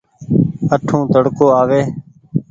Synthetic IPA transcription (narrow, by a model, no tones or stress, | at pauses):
əʈʰũːt̪əɽkoːaːʋeː